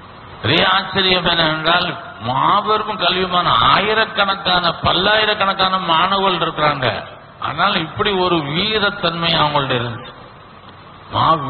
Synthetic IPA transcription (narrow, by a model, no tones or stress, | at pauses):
ɾejɐaːt͡ʃːɐɾɪjɐmɛnːɐɛndraːl | maːʋɛɾɯmɯkɐlʋɪmaːnɐaːjɪɾɐkːɐɳɐkːaːnɐpɐlːaːjɪɾɐkːɐɳɐkːaːnɐmaːɳɐɣɐɭɪɾɯkːɪɾaːŋɡɐ̰ | ʔa̰ːðɐnaːlɪpːɐɽiɔɾɯʋiːɾɐt̪ːɐnmɐɪɐʋɐŋɡɐɭɯɽɐɪɾɯnd̪ɯ | maː